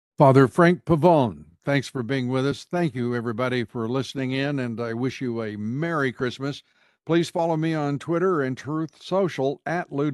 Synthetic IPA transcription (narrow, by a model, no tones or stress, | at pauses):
fɑðə˞fɹæ̃ŋk̚pʰəvõʊ̃nθæ̃ŋksfə˞biɪ̃ŋwɪðʌsθæ̃ŋkjɨɛvɹibɑɾifə˞lɪsnɪ̃ŋɪ̃nɨ̃naɪwɪʃjɨɨmɛɹikʰɹ̥ɪsmɨs | pʰl̥iz̥fɑlˠoʊmiə̃ntʰw̥ɪɾə˞ɨ̃ntʰɹ̥ʉθsoʊʃl̩ˠɨtˡlʉ